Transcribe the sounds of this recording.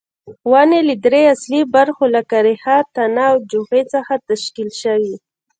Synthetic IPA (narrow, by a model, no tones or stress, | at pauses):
waneled̪ɾeaslibaɾxolakaɾehat̪anawd͡ʒuxet͡səxat̪aʃkilʃawi